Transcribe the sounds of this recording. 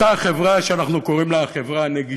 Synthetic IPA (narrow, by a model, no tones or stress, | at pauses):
taχevʁaʃeanaχnukoʁimleaχevʁaneɡi